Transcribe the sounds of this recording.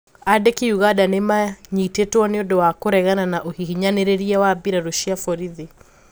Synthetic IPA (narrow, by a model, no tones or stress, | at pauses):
adɛkiuɣadanemaɲitetwɔneɔdɔwakoɾɛɣananaʔohiɦiɲaneɾeɾiawabiɾaɾoʃiafɔɾiði